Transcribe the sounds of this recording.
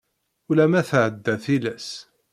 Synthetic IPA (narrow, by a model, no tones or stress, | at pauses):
ʊlæmæθʕəd̪ːæθilæs